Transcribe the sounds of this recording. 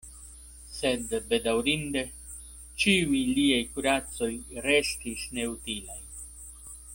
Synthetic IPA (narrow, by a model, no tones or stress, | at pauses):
se̞d̪be̞d̪awɾind̪e̞ | t͡ʃiujliajkuɾat͡so̞jɾest̪isne̞ut̪ilaj